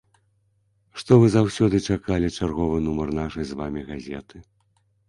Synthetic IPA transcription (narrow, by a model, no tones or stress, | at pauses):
ʂt̪ɔvɨzawsʲɔd̪ɨt͡ʂakalʲit͡ʂarɣɔvɨnumɐrnaʂɐjzvamʲiɣazʲɛt̪ɨ